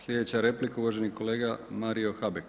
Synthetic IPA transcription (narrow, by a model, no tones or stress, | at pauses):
slʎʲe̞d̪e̞t͡ɕaɾe̞plikauʋaʒeniko̞le̞ːɡamaɾio̞xabek